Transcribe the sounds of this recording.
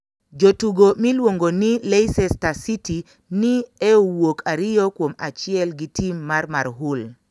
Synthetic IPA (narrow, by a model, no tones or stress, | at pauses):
d͡ʒotuɡomilwoŋɡonileisɛstasiti | niɛowokʰaɾɪɔkwoma̰t͡ʃɪɛlɡitimːaɾmaɾɦul